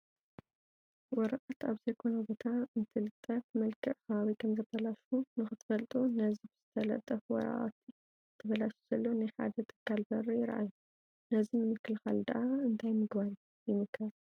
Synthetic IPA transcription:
wɔɾɐʔat̪aβzɐjkʰo̞nɐbo̞t̪ʰaɨnt̪ʰɨlɨt̪ʼːɐfmɐlkʰɨʔkɐβaβikʰɐmzɐt̪ʰɐlaʃunɨxɨt̪ʰɨ̥fɐlt̪ʼunɐzibɨz̥ɨt̪ʰɐlɐ̰t̪ʼːɐfwɔ̰ɾɐ̰ʔa̰t̪ʰ | ɨt̪ʰɐbɐlaʃu̥z̥ɐlːo̞najħa̰d̪ɐt̪ʰɨ̥kːalbɐrɐjɪɾʔa̰jːu | nɐzimɨmɨkːɨlxald̪a̰ʔaɨnt̪ʰajmɨɡbaɾi | jɪmɨkʰːɐɾ

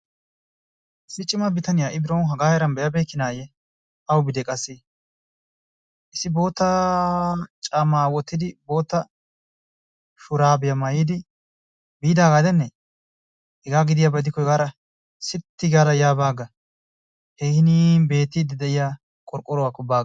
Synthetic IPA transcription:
sɪt͡ʃʼːɪmɐbɪt̪ɐnɪjaːʔɪbɪɾɐwnɦɐɡaːhɛɛɾɐnbɛjɐbeːkːɪnaːjɛ | ɐwbɪd̪ɛkʼɐsːe | ʔɪsɪbo̞ːt̪ːɐ | t͡ʃʼamaːwɔt̪ːɪd̪ɪbo̞ːt̪ːɐ | ʃʊɾaːbɛjɐmɐjiːd̪ɪ | biːd̪aːɡaːd̪ɛnːɛ | hɛɡaːɡɪd̪ɪjaːbɐd̪ɪkːɔhɛɡaːɾɐ | sɪt̪ːɪɡaːɾɐjaːbaːɡɐ | hɛhɪniːbe̞ːt̪ːɪd̪ːɪd̪ɛʔɪjaː | kʼɔɾkʼːɔɾɔwakːɔbaːɡɐ

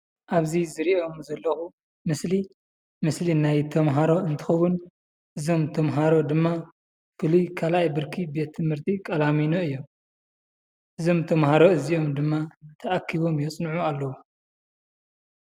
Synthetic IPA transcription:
ʔaβzizɨɾiʔo̞mzɐlːɐxu | mɨsli | mɨslinajt̪ʰɐmɦaɾo̞ɨnt̪ʰɨ̥xɐwʊn | ʔɨzo̞mt̪ʰɐmɦaɾo̞d̪ɨmːa | fɨlujkʰalajbɨɾkʰibe̞t̪ʰːɨmhɨɾt̪ʰikʼɐlaminoɨjːom | ʔɨzo̞mt̪ʰɐmhaɾo̞ɨziʔo̞md̪ɨmːat̪ʰɐʔakʰːiβo̞mjɛt͡sʼnʕualːɐwu

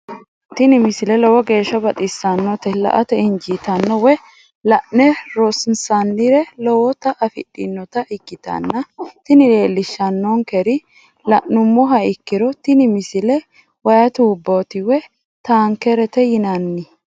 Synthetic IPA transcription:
t̪ɪnɪmɪsɪlɛlɔwɔɡe̞ːʃːɐbɐt̪ʼɪsːɐnːɔt̪ɛlɐ̰ʔɐt̪ɛɪnd͡ʒit̪ɐnːɔwɛ | lɐʔnɛɾɔsɪnsɐnːɪɾɛlɔwɔt̪ɐʔɐfɪ̰ɗːɪ̰nːɔt̪ɐʔɪkːɪt̪ɐ̰nːɐt̪ɪnɪle̞ːlːɪʃːɐnːɔŋkɛɾɪ | lɐʔnʊmːɔɦɐɪkːɪɾɔt̪ɪnɪmɪsɪlɛ | wɐjɐt̪uːbːot̪ɪwɛ | t̪aːŋkɛɾɛt̪ɛjɪnɐnːɪ

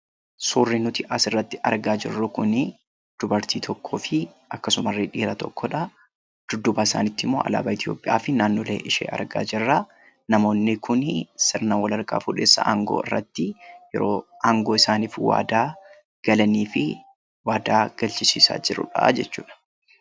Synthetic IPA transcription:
suːrːɪnʊt̪ɪʔɐsɪrːɐt̪ːɪ̥ʔɐɾɡaːd͡ʒɪrːʊkʊnɪ | d̪̥ʊbɐɾt̪iːt̪ʰɔkʰːoːfɪ | ʔɐkːɐsʊmɐrːeᶑiːɾɐt̪ɔkʰːɔᶑɐ | d̪̥ʊd̪ːʊbaːɪsa̰ːnɪt̪ːɪmːo̞̰ːʔɐ̰la̰ːbɐɪt̪ʰjo̞̰ːpʼɪʔa̰ːfɪnaːnːoːlḛːʔɪʃḛːʔɐ̰ɾɡa̰ːd͡ʒɪrːɐ | nɐmo̞ːnːɪkʰʊnsɪɾnawɐlɐɾkʼa̰ːfuᶑe̞ːsːɐ̰ʔa̰ːŋɡo̰ːɪ̰rːɐt̪ːɪjɛ̰ɾoːʔaːŋɡo̞ːɪsaːniːfwa̰ːd̪aː | ɡ̥ɐlɐniːfɪ | waːd̪aːɡ̥ɐlt͡ʃɪsḭːsa̰ːd͡ʒɪɾʊ̰ᶑɐ̰d͡ʒɛt͡ʃːṵːᶑɐ̥

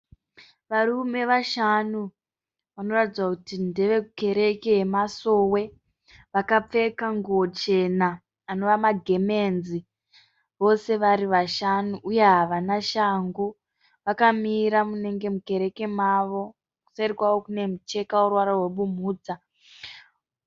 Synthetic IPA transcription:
ʋaɾume̞ʋaʃanu | ʋano̞ratid͡zwakutindeʋe̞kuke̞ɾe̞keɦemaso̞we̞ | ʋakap͡fe̞kaŋɡuot͡ʃe̞naː | no̞ʋamaɡʱe̞me̞nzi | ʋo̞se̞ʋaɾiʋaʃanuʔːje̞ɦaʋanaʃaŋɡu | ʋakamiɾamune̞ŋɡe̞muke̞ɾe̞ke̞maʋo̞ | ku̥saɾikwawokune̞mut͡ʃe̞kaurwaɾarwe̞ɓum̤uːd͡za

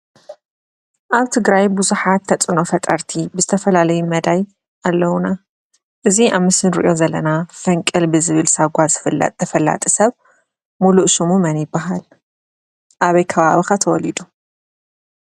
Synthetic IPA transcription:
ʔaβt̪ʰɨɡɾajbuzuħat̪ʰːɐt͡sʼɨno̞fɐt̪ʼɐɾt̪ʰibɨzɨt̪ʰɐfɐlalɐjumɐd̪aj | ʔalːɐwuna | ʔɨziʔaβmɨsɨnɾḭʔo̞zɐlːɐnafɐŋkʼɨlbɨzɨβɨlsaɡʷazɨflɐ̰t̪ʰɐfɐlːa̰t̪ʼisɐβ | muluʔʃumumɐnjɪbːaɦal | ʔaβɐjkʰɐβaβixat̪ʰɐwɔlid̪u

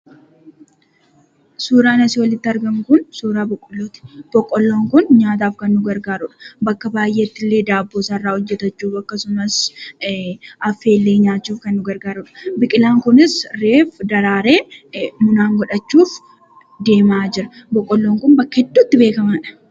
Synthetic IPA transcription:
suːɾaːnɐsɪwɐlɪt̪ːɪɐɾɡɐmkʊnsuːɾaːbɔkʼːɔlːoːt̪ɪ̥b̥ɔkʼːɔlːo̞ːŋkʊnɲaːt̪aːfkɐnːʊɡɐɾɡaːɾʊᶑɐ̥bɐkːɐbaːjʔeːt̪ːɪlːe̞ːd̪aːbːoːsɐrːaːɔd͡ʒːɛt̪ɐt͡ʃːuːfɐkːɐsʊmɐs | ʔɐfːe̞ːlːeːɲaːt͡ʃːuːfkɐnːʊɡɐɾɡaːɾʊᶑɐ̥bɪkʼɪlaːŋkʊnɪsɾe̞ːfd̪ɐɾaːɾe̞ːmʊnaːŋɡɔᶑɐt͡ʃːuːf | d̪e̞ːmaːd͡ʒɪɾɐ | bɔkʼːɔlːo̞ːŋkʊnbɐkːɐhɛd̪ːuːt̪ːɪbe̞ːkɐmɐᶑɐ̥

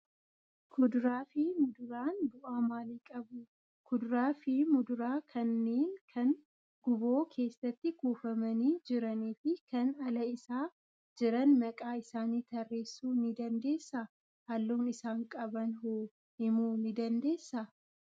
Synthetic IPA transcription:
kʰʊd̪ʊɾaːfiːmʊd̪ʊɾaːnbʊʔaːmaːliːkʼɐbʊ | kʊd̪ʊɾaːfimʊd̪ʊɾaːkʰɐnːeːnkʰɐn | ɡʊbo̞ːkʰe̞ːsɐt̪ːɪkuːfɐmɐniːd͡ʒɪɾɐniːfɪkɐnɐlɐɪsaː | d͡ʒɪɾɐnmɐkʼaːɪsaːniːt̪ɐrːe̞ːsːuːnɪd̪ɐnd̪e̞ːsːɐ | hɐlːuːnɪsaːŋkʼɐbɐnɦoː | ɪmuːnɪd̪ɐnd̪e̞ːsːɐ

